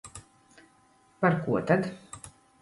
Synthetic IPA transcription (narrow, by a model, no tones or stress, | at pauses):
paɾkuɔt̪ad̪